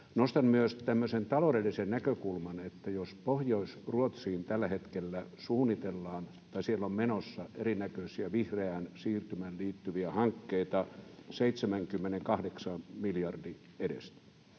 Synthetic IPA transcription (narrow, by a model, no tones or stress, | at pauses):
nost̪ɑmmyøst̪æmːøsent̪ɑlodelːˑisennækøkulmɑnet̪ːæjospohjoisruot̪siːnt̪ælːæhet̪kelːæsuːnit̪elːɑːn | t̪ɑisielːommenosːɑʔeɾinækøsiæʋihreænsiːrt̪ymælliːt̪ːyʋiæhɑŋkːeit̪ɑseit̪semæŋkymːeneŋkɑhdeksɑmmiljɑrdi | edḛst̪æ̥